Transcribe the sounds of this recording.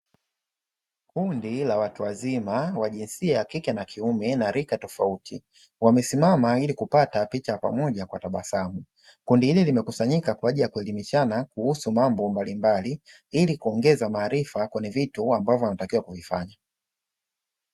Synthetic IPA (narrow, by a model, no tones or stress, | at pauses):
kundilawatuwazimawaʄinsiajakikɛnakʰiumɛnaɾikatɔfautʰi | wamɛsimamailikupatapit͡ʃaapa̰mɔʄakwataɓasamu | kundihililimɛkusaɲikakwaaʄilijakuɛlimiʃanakuhusumambɔmbalimbali | ilikuɔŋɡɛzamaːɾifakwɛɲɛvituambavjɔwanatakiwakuvifaɲa